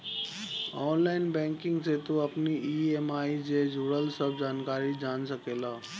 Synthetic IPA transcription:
ɔːnlaːɪnbɛ̃ːŋkɪ̃ŋɡset̪oɐpniiːeːmaːid͡ʑed͡ʒuːɽəlsəb̚d͡ʒaːnkaːɾid͡ʒaːnsəkeːlaː

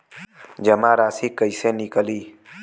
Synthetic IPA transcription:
d͡ʒəmaːɾaːsikəiseːnɪkəliː

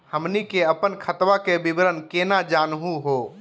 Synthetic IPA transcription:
həmnikeəpənkʰət̪ʋakebibɾənkenad͡ʒanɦũɦo

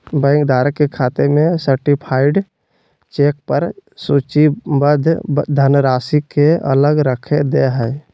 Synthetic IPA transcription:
bɛ̃ːŋkd̪aːɾəkːekʰaːt̪emẽsəɾʈipʰaːɪɖ | t͡ʃeːk̚pəɾsuːt͡ʃibəd̪ʱd̪ʱənɾaːsikeə̰ləɡɾəkʰed̪eɦɛː

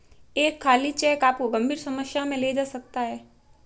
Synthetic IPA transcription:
eːkʰːaːlit͡ʃɛːkaːp̚koɡɐ̃mbʱiːɾsɐməsjamẽleːd͡ʒaːsɐk̚t̪aɦɛː

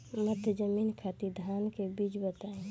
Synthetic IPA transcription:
mət̪ʰjəd͡ʒəmiːnkʰat̪id̪ʱaːnkebiːt͡ʃbət̪aːẽ

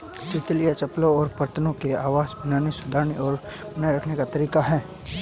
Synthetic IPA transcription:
sɪt̪lijat͡ʃɐplõɔːɾpɐɾt̪ənõkeaːʋaːzbɪnaːnisʊd̪ʱaːɾniɔːɾ | bɐnajɾɐkʰnekat̪ɐɾiːkaɦɛː

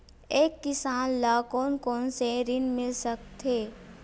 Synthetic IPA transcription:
eːkːɪsaːnlaːkoːnkɔːnseɾɪnmɪlsək̚t̪ʰeː

